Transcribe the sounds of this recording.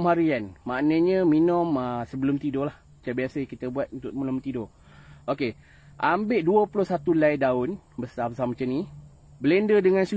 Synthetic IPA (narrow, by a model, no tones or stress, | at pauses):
mhaɾianmaʔnəjɲəminʊməsəbəlʊmt̪idolahmət͡ʃabiasəakit̪əbuat̪̚unt̪ʊʔ̚minʊmt̪ido | oke | ʔambɪʔduəpulʊhsat̪ulajdaʊnbəsabəsamat͡ʃani | bəlendədəŋãnsu